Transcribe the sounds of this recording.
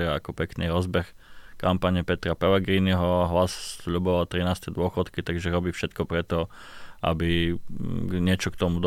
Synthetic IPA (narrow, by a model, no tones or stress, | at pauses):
ɛɾaakɔpɛkniɾɔzbɛx | kampaɲɛpɛt̪ɾapɛlɛɡɾiːniɦɔɦlassʎubɔʋalt̪ɾinaːst̪ɛd̪ʊɔxɔt̪kit̪aɡʒɛɾɔbiːfʃɛt̪kɔpɾɛt̪ɔʔa̰bi | ɲɪɛt͡ʃɔkt̪ɔmud̪